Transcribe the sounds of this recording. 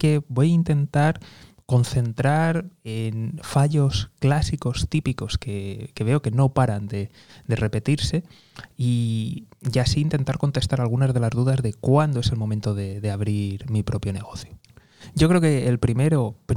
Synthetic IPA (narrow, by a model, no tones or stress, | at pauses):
ke̞bo̞jaint̪e̞nt̪aɾ | ko̞nθe̞nt̪ɾaɾenfaʎo̞sklasiko̞st̪ipiko̞ske̞ke̞β̞e̞o̞ke̞no̞paɾand̪e̞ | d̪e̞re̞pe̞t̪iɾse̞ | i | ʝasiːnt̪e̞nt̪aɾko̞nt̪e̞st̪aɾalɣ̞unazðe̞lazðuðazðe̞kwand̪oe̞se̞lmo̞mẽnt̪oðe̞ðe̞aβ̞ɾiɾmipɾo̞pjo̞ne̞ɣ̞oθjo | ɟ͡ʝo̞kɾeoke̞ːlpɾime̞ɾo̞p